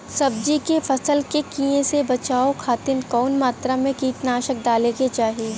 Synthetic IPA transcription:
sɐb̚d͡ʒikefɐsəlkekiẽsebɐt͡ʃaːokʰaːt̪ɪnkɔːnmaːt̪ɾamẽkiːʈnaːʃək̚d̪aːleket͡ʃaːɦi

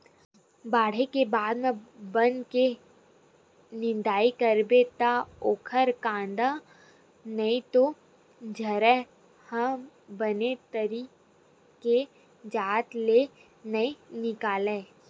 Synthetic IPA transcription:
baːɽ̤ekebaːd̪mẽbə̃nd̪ke | nɪ̃nd̪aːikəɾbet̪aoːkʰəɾkãːnd̪a | nɐit̪o | d͡ʒʱɐɾɛ | hɐ̃ | bənet̪əɾi | ke | d͡ʒaːt̪le | nɐinɪkaːleː

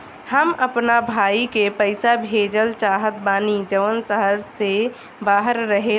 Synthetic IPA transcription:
həməpnabʱaːikepəɪsabʱeːd͡ʒəlt͡ʃaːɦət̪̚baːnid͡ʒəʋənsəɦəɾse | baːɦəɾːəɦe

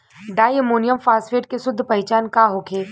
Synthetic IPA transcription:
ɖaːjəmoːnijəmfaːsfeːʈ̚kesʊd̪ʱːpɐɦɪt͡ʃaːnkaːɦokʰeː

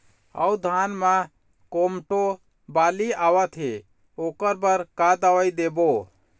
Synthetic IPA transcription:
ə̰ud̪ʱanmã | komʈo | baliaʋət̪ɦe | okəɾbəɾkad̪əʋəid̪ebo

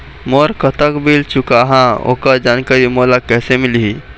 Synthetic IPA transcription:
moɾkət̪əkbilt͡ʃʊkaɦão̰ːkad͡ʒaːnkaɾimolakɛːsemɪlɦi

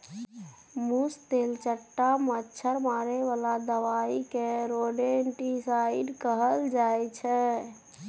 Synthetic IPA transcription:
must̪elt͡ʃəʈːamətːʃʰəɾmaɾeʋalad̪əʋaikeɾoɖeɳʈisaiɖkəɦəld͡ʒajt͡ʃʰɛ

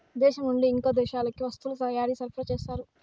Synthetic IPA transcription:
d̪eːʃɐmuɳɖeiŋkoːd̪eːɕaːlɐkːiʋɐst̪ulɐt̪ɐjaːɾiːsɐɾpɾɐt͡ʃeːst̪aːɾu

